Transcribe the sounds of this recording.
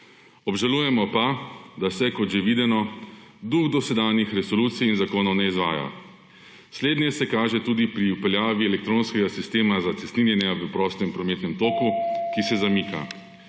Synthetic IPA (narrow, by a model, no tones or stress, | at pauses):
ɔbʒaluːjɛmɔpad̪asɛkɔt̪ʒɛʋiːd̪ɛnɔd̪uɣd̪ɔsɛd̪aːnjixɾɛsɔluːt̪sijːnzakoːnɔwnɛizʋaːja̰ | sleːd̪njɛsɛkaːʒɛt̪uːd̪ipɾiupɛljaːʋiɛlɛk̚t̪ɾoːnskɛɡasist̪eːmazat̪sɛst̪ninjɛnjɛaʋəpɾɔːst̪ɛmpɾɔmeːt̪nɛmt̪oːkukisɛzamiːka̰